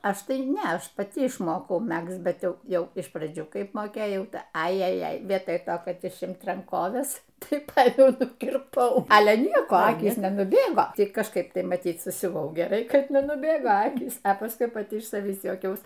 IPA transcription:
ˈɐʃ ˈtɐɪ ˈnʲɛ ˈɐʃ pɐˈtʲɪ ɪʃˈmoːkɐʊ ˈmʲækst ˈbʲɛt ˈjɛʊ ˈjɛʊ ɪʃ prɐˈd͡ʒʲuː ˈkɐɪp moːˈkʲeːjɛʊ ˈtɐɪ ˈɐɪ ɐjɛˈjɛɪ ˈʋʲiɛtoːj ˈtoː kɐt ɪʃʲˈɪmt rɐŋˈkoːʋʲɛs ˈtɐɪ ˈpɐɪmʲɛʊ nʊkʲɪrˈpɐʊ ˈɑːlʲɛ ˈnʲiɛkoː ˈɑːkʲiːs nʲɛnʊˈbʲeːɡoː ˈtʲɪ kɐʃˈkɐɪp ˈtɐɪ mɐˈtʲiːt sʊsʲʊˈʋɐʊ ɡʲɛˈrɐɪ ˈkɐt nʲɛnʊˈbʲeːɡoː ˈɑːkʲiːs pɐsˈkʊɪ pɐˈtʲɪ ɪʃ sɐˈʋʲiːs juɔˈkʲɛʊs

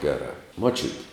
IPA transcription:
ˈɡʲæːrɑː muɔˈt͡ʃʲʊtʲɪ

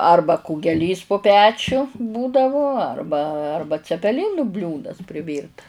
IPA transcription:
ˈɐrbɐ kʊɡʲɛˈlʲiːs poː pʲɛt͡ʃʲʊ ˈbuːdɐʋʊ ˈɐrbɐ ˈɐrbɐ t͡sʲɛpʲɛˈlʲɪnʊ ˈbʲlʲuːdɐs pʲrʲˈɪʋʲiːrtɐs

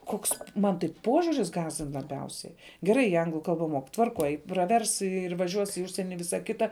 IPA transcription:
ˈkoːks ˈmɐn tɐɪ ˈpoːʒʲʊrʲɪs ˈɡɑːzʲdʲɪn lˠɐˈbʲɛʊsʲɛɪ ɡʲɛˈrɐɪ ˈɐŋɡlˠʊ ˈkɐlˠbɐ moːk tʋɐrˈkoːj prɐˈʋʲɛrs ɪr ʋɐˈʒʲuɔs ɪ ˈʊʃʲsʲiɛnʲɪ ɪ ˈʋʲɪsɐ ˈkʲɪtɐ

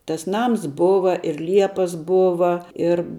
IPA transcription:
tɐs ˈnɐms ˈboːʋɐ ɪr ˈlʲiɛpɐs ˈboːʋɐ ɪr

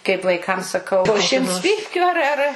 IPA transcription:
kɐɪp ʋɐɪˈkɐm sɐˈkɐʊ poː ˈʃʲɪmts ˈpʲiːpʲkʲʊ ˈɐr ˈɐr

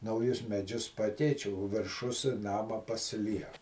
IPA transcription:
nɐʊˈjʊs mʲɛˈd͡ʒʲʊs ˈpɑːkʲɛɪt͡ʃʲ oː ʋʲɪrˈʃʊs ˈnɑːmɐ pɐsʲɪˈlʲiɛk

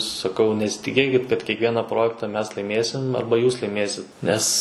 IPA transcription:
sɐˈkɐʊ nʲɛsʲɪtʲɪˈkʲeːkʲɪt kɐt kʲiɛkˈʋʲiɛnɐ ˈproːjɛktɐ ˈmʲɛs lˠɐɪˈmʲeːsʲɪm ˈɐrbɐ ˈjuːs lˠɐɪˈmʲeːsʲɪt ˈnʲɛs

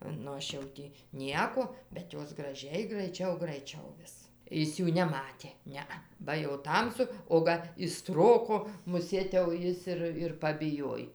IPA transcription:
nʊ ˈɐʃ jɛʊ ˈtʲiː ˈnʲiɛkoː bʲɛt ˈjoːs ɡrɐˈʒʲɛɪ ɡrɐɪˈt͡ʃʲɛʊ ɡrɐɪˈt͡ʃʲɛʊ ˈʋʲɪs ˈɪs ˈjuː nʲɛˈmɑːtʲeː ˈnʲɛɐ bɐ jɛʊ ˈtɐmsʊ oː ˈɡɐ ɪʃ ˈstroːkoː mʊˈsʲeːt jɛʊ ˈjɪs ɪr ɪr pɐbʲɪˈjoːj

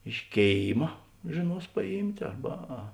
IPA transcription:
ɪʃ ˈkʲeːɪmɐ ʒʲeːˈnuɔs pɐˈjiːmʲtʲ ˈɐrbɐ ɐ

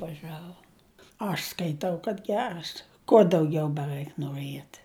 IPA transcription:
ʋɐˈʒɑːʋoː ɐʃ skɐɪˈtɐʊ kɐt ˈɡʲæːrɐs kuɔ dɐʊˈɡʲɛʊ bʲɛˈrɐɪk noːˈrʲiɛt

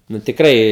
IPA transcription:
nʊ tʲɪkˈrɐɪ

